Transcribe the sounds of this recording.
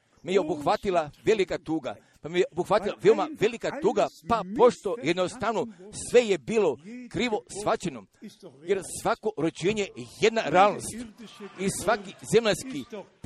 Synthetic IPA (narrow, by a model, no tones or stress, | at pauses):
mejeobuxʋat̪ilˠaʋe̞likat̪uːɡa̰ | pamejeʔobuxʋat̪ilˠaʋeomaʋe̞likat̪uːɡapapo̞ʃt̪o̞jed̪nost̪aʋnosʋe̞je̞biːlˠo̞kɾiːʋo̞sʋat͡ɕenojeɾsʋako̞ʔɾot͡ʃeːɲeeje̞d̪naɾeaːlˠno̞̰st̪isʋakize̞mʎanski